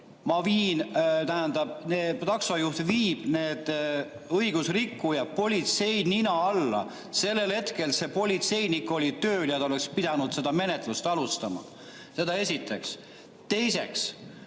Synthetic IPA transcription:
mɑviːnt̪æɦænd̪̥ɑb̥̚neːt̪ɑksɑjuht̪viːb̥ne̞ːd̪̥ | ɤjɡ̥usrikːujɑpo̞lʲit̪se̞jninɑɑlːɑ̰ | se̞lːe̞lhe̞t̪ke̞lse̞po̞lʲit̪se̞jnikːˑo̞lʲit̪øːljɑt̪ɑole̞kspid̪̥ɑnud̪̥se̞d̪̥ɑme̞ne̞t̪ˑlust̪ɑlust̪ɑmɑ̰ | se̞d̪ɑe̞sʲit̪ːˑe̞ks | t̪e̞jse̞ks

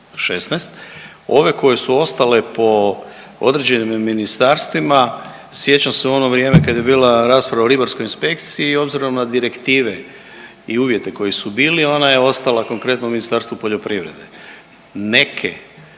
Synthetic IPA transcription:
ʃesnɛst̪ | o̞ʋe̞ko̞jesuo̞st̪alepo̞ | o̞̰d̪ɾe̞d͡ʑe̞nimːinist̪aɾst̪ʋima | sje̞t͡ɕanseuo̞no̞ʋɾje̞ːme̞kad̪je̞biːlaɾaːspɾaʋaoɾibaɾsko̞jinspe̞kt̪siio̞bziɾo̞mnad̪iɾe̞kt̪iːʋe̞ | iuːʋje̞t̪e̞ko̞jisubiːlio̞najeo̞st̪alako̞ŋkɾe̞t̪nouminist̪aːɾst̪ʋupo̞ʎo̞pɾiʋɾe̞̰d̪e | ne̞kʰḛ

